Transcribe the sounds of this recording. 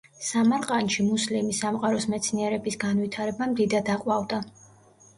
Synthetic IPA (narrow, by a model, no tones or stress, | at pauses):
samaɾqʼanʃimuslimisamqʼaɾɔsmɛt̪sʰniɛɾɛbisɡanvit̪ʰaɾɛbamd̪id̪ad̪aqʼwavd̪a